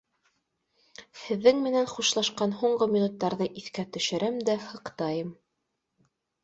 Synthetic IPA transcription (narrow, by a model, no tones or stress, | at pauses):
hɘ̆ðːɘŋmɘ̆nænχuʃlˠɑʃqɑnɦuɴɢɤmʲinut̪ːɑɾðɤʔiθkæt̪ɵ̆ʃɘ̆ɾæmd̪æhɤ̆qt̪ɑjɤm